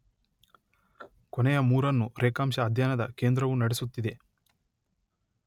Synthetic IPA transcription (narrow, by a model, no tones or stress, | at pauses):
kɔnɛjɐmuːɾɐnːuɾeːkaːmʃɐːd̪ʱjanɐd̪ɐke̞ːnd̪ɾɐʋunɐɽesut̪ːid̪e̞